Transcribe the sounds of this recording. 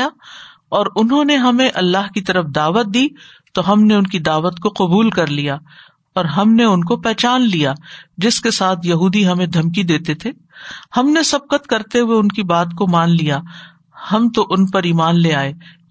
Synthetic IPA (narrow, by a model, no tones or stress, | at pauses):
ja | ɔːɾʊnɦõneɦɐmẽʔɐlːaːɦkit̪ɐɾəfd̪aːʋət̪̚d̪iː | t̪oɦɐmneʊnkid̪aːʋət̪koqʊbuːlkɐɾlijaː | ɔːɾɦɐmneʊnkopɛːt͡ʃaːnlijad͡ʒɪskesaːt̪ʰjɐɦuːd̪iɦɐmẽd̪ʱɐmkid̪eːt̪et̪ʰeː | hɐmnesɐb̚qət̪kɐɾt̪eɦʊeʊnkibaːt̪komaːnlija | hɐmt̪oʔʊnpɐɾiːmaːnleaːeː